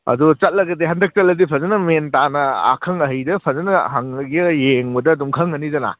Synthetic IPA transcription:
ɐ̰dut͡ʃɐt̚lɐɡɐdiɦandɐk̚t͡ʃɐt̚lːɐdipʰɐzɐnɐmentanɐa̰kʰɐŋɐɦɐjdɐpʰɐzɐnɐɦaŋɡijeŋbɐdɐːdumkʰɐŋɐnizɐna̰

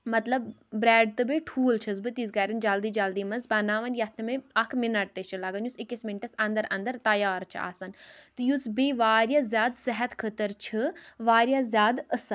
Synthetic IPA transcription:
mɐt̪lɐb̚bɾɛːɖ̚t̪ɨbiʈʰuːlt͡ʃʰɐzbɨt̪izɡɐːɾɐnd͡ʒaːld̪id͡ʒɐld̪iːmɐnzbɐnaːʋɐnjɐt̪ʰnmeɐkʰminɐʈ̚t̪et͡ʃʰɨlɐɡɐnjusikʲismiɳʈɐsɐ̃nd̪ɐɾɐnd̪ɐɾt̪ɐjaːɾt͡ʃʰḭa̰ːsɐnt̪ɨjusbiʋaːɾʲjazʲjaːd̪sɐɦɐt̪kʰət̪əɾt͡ʃʰɨʋaːɾjazʲjaːd̪əsɐ

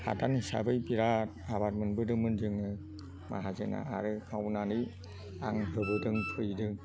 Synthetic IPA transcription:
ha̰tanhisa̰bɯjbiɾatabat̚mɯnbɯdɯmɯnd͡ʒɯŋɯ | ma̰ɦazɯna̰a̰ɾɯkʰawnanɯj | a̰ŋɦɯbɯdɯŋpʰɯjdɯ

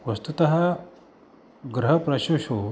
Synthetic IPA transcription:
ʋɐst̪ut̪ɐɦa | ɡɾɐɦɐpɾɐɕoɕo

